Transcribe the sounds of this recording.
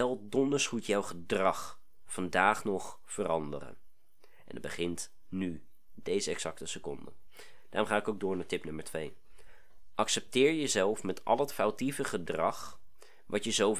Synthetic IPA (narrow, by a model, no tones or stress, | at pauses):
ɛlˠdɔndəɹsχutjɑwχədrɑχ | fɑndaːχnɔχ | fərɑndə̰rə̰n | ʔɛ̰ndə̰bəχɪnt | ny | dejzəɛksɑk̚təsəkɔndə̰ | d̥aːrʊmχaːɪkowɡ̚dʊːɹnaːtɪpnɵməɹtʋej | ʔɑksɛp̚tɪːɹjəzɛlˠfmɛtɑ̰lˠɦətfawtivəχədrɑχ | ʋɑtjəzow